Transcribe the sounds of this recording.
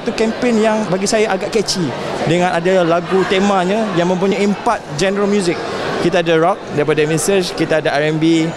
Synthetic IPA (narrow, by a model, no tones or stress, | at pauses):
t̪ukɛmpenjaŋbaɡisajaʔaɡaʔkɛt͡ʃi | dəŋãnʔadalaɡut̪emãɲãjaŋmə̃mpuɲaimpat̪̚d͡ʒɛnəɾəlmjuzɪk̚ːit̪aːdaɾɔk̚daipadamisəskit̪aadaaɾɛmbi